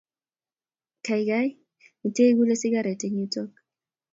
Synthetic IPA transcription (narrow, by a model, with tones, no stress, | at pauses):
ka˨jɡa˦j | u˨te˦ɡu˦le˦si˦ɡa˦ɾe˨te˦ɲu˦tɔ˦k̚